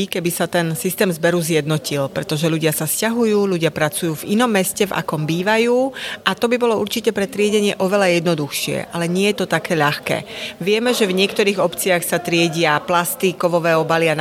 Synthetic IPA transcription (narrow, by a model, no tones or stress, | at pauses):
ikɛbisat̪ɛnsist̪ɛːmzbɛɾuzjɛd̪nɔcilpɾɛt̪ɔʒɛʎuɟɪasascaɦujuːʎuɟɪapɾat͡sujuːvinɔmːɛscɛva̰kɔmbiːʋajuːʔat̪ɔbibɔlɔuɾt͡ʃicɛpɾɛt̪ɾɪɛɟɛɲɪɛʔɔʋɛlajɛd̪nɔd̪uxʃɪɛ̰ʔalɛɲɪɛjɛt̪ɔt̪akɛːʎaxkɛ̰ːʋɪɛmɛʒɛvɲɪɛkt̪ɔɾiːɣɔpt͡siaxsat̪ɾɪɛɟɪaplast̪ikɔʋɔʋɛːɔbalian